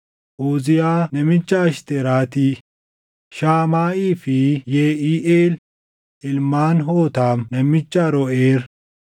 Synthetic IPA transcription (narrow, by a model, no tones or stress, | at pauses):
ʔuːzɪjaːnɛmɪt͡ʃːaːʃt̪eːɾaːt̪iː | ʃaːmaːʔiːfijeːʔiːʔeːl | ʔɪlmaːnɦoːt̪aːmnɛmɪt͡ʃːaːɾɔeːɾ